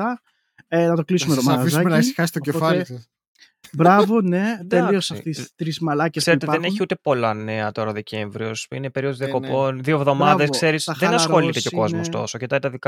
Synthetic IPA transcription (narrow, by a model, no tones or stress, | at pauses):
ɐ | enɐt̪o̞klisumet̪omɐfiszɐmenɐesi̥xɐst̪oceofɐlisɐ | bɾɐvo̞ne̞t̪elio̞sɐft̪ist̪ɾizmɐlɐcesseet̪ɐðeneçiut̪e̞po̞lɐne̞ɐt̪oɾɐðe̞ce̞ɱvɾiosḭnepe̞ɾioðozðiɐko̞po̞nðiovðo̞mɐðeskse̞ɾisɐðenɐsxo̞lit̪e̞ceoko̞zmost̪o̞̰socet̪ɐit̪ɐðik